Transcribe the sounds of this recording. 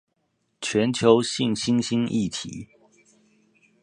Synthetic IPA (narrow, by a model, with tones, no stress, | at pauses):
t͡ɕʰɥɛ˨˦nt͡ɕʰjo˨˦ʊɕi˥˨ŋɕi˦nɕi˥˦nḭ˥˨t̪ʰḭ˨˦